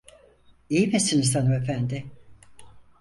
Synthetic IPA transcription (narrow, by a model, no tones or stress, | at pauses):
ijmisinisanɯmefænd̪ɪ